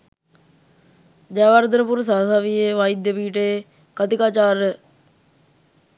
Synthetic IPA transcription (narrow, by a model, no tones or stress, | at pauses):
d͡ʒaːʋaːɾd̪ənpʊɾsaːsaːʋieːʋaːid̪epiːʈeː | kət̪ɪkaːt͡ʃaːɾ